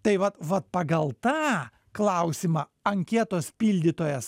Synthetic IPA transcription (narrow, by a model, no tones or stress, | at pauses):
t̪ɐɪʋɐt̪ʋɐt̪̚pɐɡɐlˠt̪ɑː | klˠɐʊsʲɪmɑː | ɐŋʲkʲɛt̪oːspʲiːlʲd̪ʲɪt̪oːjɛs